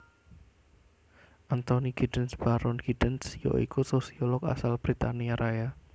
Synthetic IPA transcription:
ʔant̪oniɡ̥idənsb̥aɾɔnɡ̥id̥ənsjo̰ʔḭkusosiɔlɔka̰salb̥ɾit̪aniaɾʔaja

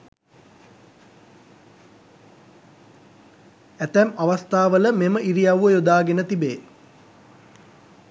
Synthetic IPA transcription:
æt̪æmaʋast̪aːʋələmeməʔiɾijaʋuəjod̪aːɡenət̪ibeː

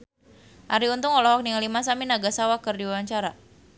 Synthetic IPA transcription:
ʔaɾiunt̪ʊŋɔlɔɦɔk̚niŋalimasaminaɡasawakɨrdiwawaɲt͡ʃaɾa

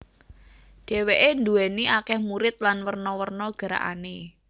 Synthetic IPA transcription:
ɖ̥ɛ̤weʔend̪uɛniʔakɛhmuɾɪt̪̚lanwərnɔwərnɔɡ̥a̤ɾa̰ʔa̰ne

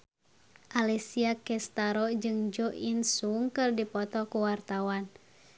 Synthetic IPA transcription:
ʔalisiakɛst̪aɾɔd͡ʒɨŋd͡ʒɔʔinsuŋkɨrdipɔt̪ɔkuwart̪awan

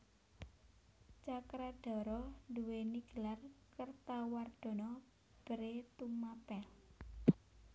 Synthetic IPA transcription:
t͡ʃakɾad̥ɔ̤ɾɔnduweniɡ̥əlarkərt̪award̪̥ɔ̤nɔ | b̥əɾet̪umapɛl

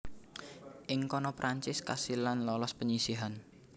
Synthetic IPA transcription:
ʔɪŋkɔnɔpɾʔaɲt͡ʃɪskasilanlɔlɔspəɲisiɦan

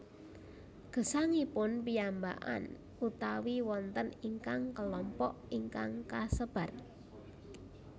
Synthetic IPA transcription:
ɡ̥ə̤saŋipʊnpiamba̰ʔa̰n | ut̪awiwɔnt̪əniŋkaŋkəlɔmpɔʔiŋkaŋkasəb̥a̤r

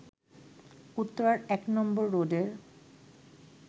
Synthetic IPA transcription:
ut̪ːoɾaɾɛknɔmboɾːodeɾ

